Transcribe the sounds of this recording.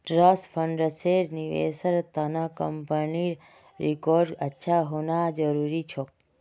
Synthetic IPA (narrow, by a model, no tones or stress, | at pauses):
ʈɾasfʰəɳɖɾəseɾniʋḛsəɾt̪ənakəmpəniɾ | ɾikoɾɖətːʃʰaɦonad͡ʒəɾuɾit͡ʃʰo